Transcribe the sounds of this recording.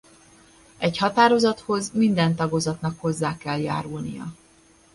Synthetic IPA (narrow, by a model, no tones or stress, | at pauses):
ɛchɒt̪aːɾo̞zɒt̪ho̞zmind̪ɛnt̪ɒɡozɒt̪nɒkho̞zːaːkɛlja̰ːɾulnijɒ̰